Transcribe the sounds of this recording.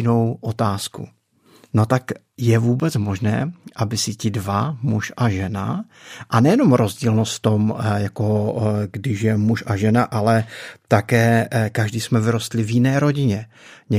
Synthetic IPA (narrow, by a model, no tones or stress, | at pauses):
ɪno̞wʔo̞t̪aːskṵ | no̞t̪ak | jɛvuːbɛt͡smo̞ʒnɛ̰ːʔabɪsɪcɪdvamuʃʔaʒɛna̰ | ʔanɛjɛno̞mɾo̞zɟiːlnost̪ft̪omjako̞ɡdɪʃjɛmuʃʔaʒɛnaʔalɛt̪akɛːkaʒdiːsmɛvɪɾo̞st̪lɪvjɪnɛːɾo̞ɟɪɲɛ | ɲɛ